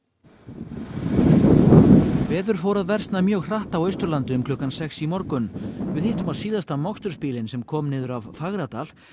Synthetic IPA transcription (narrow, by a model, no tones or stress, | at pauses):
vɛːðʏɾ̥foːwɾaðvɛr̥st̪namjœːɣr̥aht̪awœɥst̪ʏɾlant̪ʏʏmkʰlɔːkansɛksimɔɾkʏnvɪðheht̪ʏmaðsiːðast̪amɔkst̪ʏɾ̥spiːlɪnsɛmkʰɔːmnɪːðʏɾavfaɣɾat̪al̥